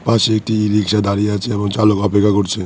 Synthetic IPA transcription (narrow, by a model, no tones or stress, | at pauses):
paeekʈiiɾikʃad̪aɾieat͡ɕʰeeboŋt͡ɕalokɔpekʰːakoɾt͡ɕʰe